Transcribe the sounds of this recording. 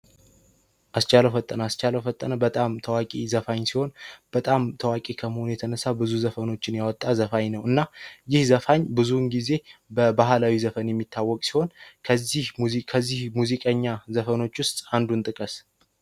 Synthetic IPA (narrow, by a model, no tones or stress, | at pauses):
ʔast͡ʃʼaləfət̪ʼːənast͡ʃaləwfət̪ʼːənəbət̪ʼamt̪ʰəwakʼizəfaɲsiho̞nb̥ət̪ʼamt̪ʰəwakʼikʰəməhonujɛt̪ʰənəsabɨzuzəfəno̞t͡ʃːɪnjawɔt̪ʼːazəfaɲnəwɨnːajɪhzəfaɲbɨzunɡize̞bəbaɦalawizəfənjɛmːit̪ʰːawːɔkʼsi̥ho̞nʰəihkʰəzːihmuzikʼəɲːazəfəno̞t͡ʃːwʊst̪ʼand̪unt̪ʼɨkʼəs